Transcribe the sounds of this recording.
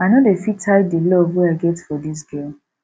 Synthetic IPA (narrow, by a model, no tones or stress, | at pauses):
anɔdefitʰaɪdilɔvweaɪɡɛtfɔdis̬ɡem